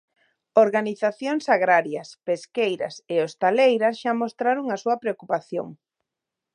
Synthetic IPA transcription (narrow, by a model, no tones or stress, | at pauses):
oɾɣaniθaθjoŋsaɣɾaɾjɐspeskejɾɐ̰seost̪alejɾɐsʃamost̪ɾaɾoŋasuɐpɾeokupaθjo̰ŋ